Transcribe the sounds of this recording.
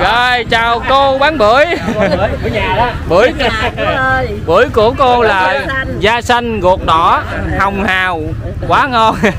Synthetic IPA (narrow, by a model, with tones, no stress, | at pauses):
ɣəː˨˩jt͡ɕaː˨˩wko˧ɓaː˨˦nɓɨ˧˨˥əj | ɓɨ˧˦əj | ɓɨ˧˩˥əjku˧˩əko˧laː˨˩ | zaː˧sa˧jŋ̟ŋu˨˩ək̚ɗɔ̰˧˥ | ha˨˩wŋ͡mhaː˨˩w | kwaː˨˦ŋɔ˧n